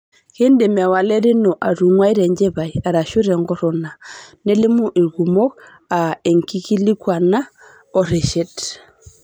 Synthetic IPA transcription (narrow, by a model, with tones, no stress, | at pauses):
ke˦nde˨mɛ˨wa˨lɛ˦ɾɪ˦nɔ˨ʔa˨ɾu˨ŋwa˦i˦ɾɛ˨ɲd͡ʒɛ˦βa˨ja˨ɾa˨ʃu˦ɾɛ˨ŋɡɔ˦ɾɔ˨na˨nɛ˦lɪ˦mu˦ʔe˨ɣu˨mɔ˦k | a˨e˨ŋki˦ki˦li˦kwa˨na˦ | ɔ˨ɾɛ˨ʃɛ˦t